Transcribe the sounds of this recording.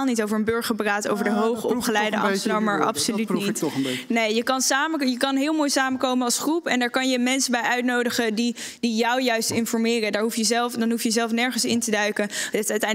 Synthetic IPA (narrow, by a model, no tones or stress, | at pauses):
lˠnitowvəɹənbøɹχəɹpraːto̰wvəɹdəɦowχəɔpχəlɛjdəɑ̰mənɑmaːɹʔɑ̰psollytnitnejjəkɑnsaːməjəkɑnɦɪːlˠmoːjsaːməkowmənɑlˠsχrupɛndaːɹkɑnjəmɛnsəbɛjʔœɥtnowdəχədidijɔwjœɥstɪnfɔɹmɪːrədaːɹɦufjəzɛlˠfdɑnɦufjəzɛlˠfnɛɹχənsɪntədœɥkənttɛ